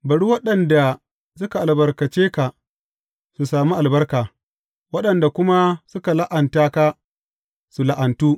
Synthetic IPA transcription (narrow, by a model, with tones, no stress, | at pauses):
bɐ˨ɽu˦wɐ˦ɗɐ˨nda˨ | sʊ˦ka˨ʔa˨lbɐ˨rkɐ˨t͡ʃeː˦ka˨ | su˨saː˨mi˦ʔa˨lbɐ˦rkaː˨ | wɐ˦ɗɐ˨nda˨kʷʊ˦ma˦sʊ˦ka˨la˦ʔa˨ntaː˦ka˦ | su˨la˨ʔɐ˨ntuː˦